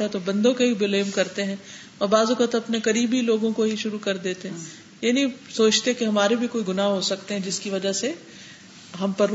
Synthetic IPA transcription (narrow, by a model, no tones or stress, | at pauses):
ɛt̪obɐ̃nd̪õkeibɪleːmkɐɾt̪eɦɛ̃ | ɔɾbaːzʊkət̪ɐpnekɐɾiːbʱiloːɡõkoɦiʃʊɾukɐɾd̪eːt̪eɦɛ̃ | jenĩsoːt͡ʃt̪ekeɦɐmaːɾebʱikoːiɡʊnaːɦosɐkt̪eɦɛ̃d͡ʒɪskiʋɐd͡ʒase | ɦɐmpɐɾ